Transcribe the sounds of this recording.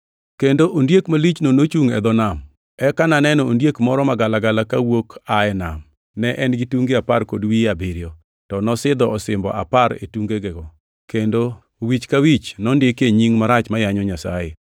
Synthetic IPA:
kendoʔondjekmalit͡ʃnonot͡ʃuŋɛ̰d̪ɔnam | ɛkananɛnɔondjekmɔɾɔmaɡalaɡalakawokaɛna̰m | nɛʔɛnɡɪtuŋɡeaparkodwiabɪɾjɔ | tɔnɔsɪd̪ɔɔsɪmbɔ̰ʔa̰paɾḛtuŋɡeɡɛɡɔ | kendo | wit͡ʃkawit͡ʃnɔndɪkeɲiŋmaɾat͡ʃmajaɲɔɲasa̰je

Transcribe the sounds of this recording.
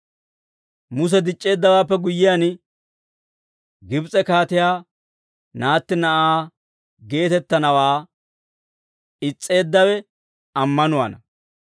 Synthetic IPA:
mʊs̬ɛd̪ɪt͡ʃʼːe̞ːd̪ːɐwaːpːɛɡʊjːɪjan | ɡɪbt͡sʼɛkaːt̪ɪjaː | naːt̪ːɪnɐʔaː | ɡe̞ːt̪ɛt̪ːɐnɐwaː | ɪt͡sʼːe̞ːd̪ːɐwɛ | ɐmːɐnʊwɐ̰nɐ

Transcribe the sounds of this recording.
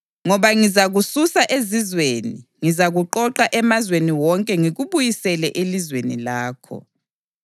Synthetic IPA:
ŋɔβaŋizaɣususaʔezizwenḭŋizaɣuǃɔǃaʔɛmazweniwɔŋkʼɛŋiɣuβujisɛlɛʔelizwenḭlaːkʰɔ̰

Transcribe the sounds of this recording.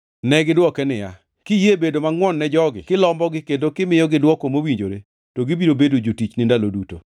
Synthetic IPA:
nɛɡɪdwɔkɛnɪja̰ | kɪjebedomaŋwɔnːɛd͡ʒɔɡɪ̰kɪlɔmbɔɡɪkendokɪmɪjɔɡɪdwɔkomowiɲd͡ʒoɾe | toɡɪbiɾobedod͡ʒotit͡ʃnɪndaloduto̰

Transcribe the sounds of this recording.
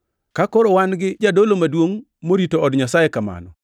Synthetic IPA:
kakɔɾɔwanɡɪd͡ʒadolomadwoŋ | moɾitoɔdɲasajekama̰nɔ̰

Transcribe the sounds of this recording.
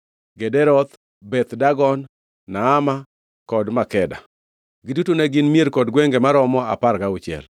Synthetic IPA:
ɡedɛɾɔt̪ | bɛt̪daɡɔnː | aːma | kɔdmakɛda̰ | ɡidutoneɡɪnmieɾkɔdɡweŋɡemaɾɔmɔa̰parkaʊt͡ʃɪɛ̰l

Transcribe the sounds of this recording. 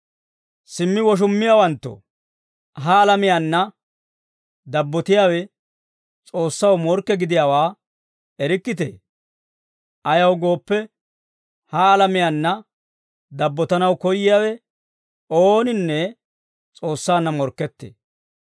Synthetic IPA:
sɪmːɪwɔʃ̬ʊmːɪjawɐnt̪ːɔ̰ | ɦɐːlɐmɪjanːɐ | d̪ɐbːɔt̪ɪjaːwɛ | t͡sʼo̞ːsːɐwmɔɾkːɛɡɪd̪ɪjawaː | ɛɾɪkːɪt̪̬ḛː | ʔɐjɐwɡo̞ːpːɛ | hɐːlɐmɪjanːɐ | d̪ɐbːɔt̪ɐnɐwkɔjɪjaːwɛ | oːnɪnːɛ | t͡sʼo̞ːsːaːnːɐmɔɾkːɛt̪ːḛː

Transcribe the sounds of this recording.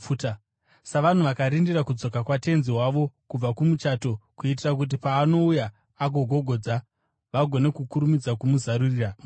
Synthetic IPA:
ut | saʋan̤uʋakaɾindiɾakud͡zo̞kakwate̞nziɦwaʋo̞kub͡vakumut͡ʃaːto̞kuit̬irak̬ut̬ipaːno̞ujaː | ɡʱo̞ɡʱo̞ɡʱo̞d͡za | ʋaɡʱo̞ne̞kukuɾumid͡zakumuzaɾuriːra

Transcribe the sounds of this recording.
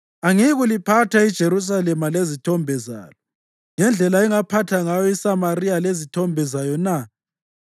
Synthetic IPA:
aŋiɣulipʰatʰaid̥ʒ̥ʱeɾus̬alɛmalezitʰɔmbʱɛza̰ːlɔ | ŋɛnd͡ɮʱɛlaɛŋapʰatʰaŋajɔisamaɾijalezitʰɔmbʱɛzajɔna

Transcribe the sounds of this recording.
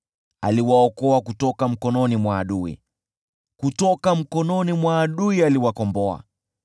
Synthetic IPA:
aliwaɔkɔakutɔkam̩kɔnɔnimwaːɗuḭ | kutɔkam̩kɔnɔnimwaːɗuialiwakɔmbɔa̰

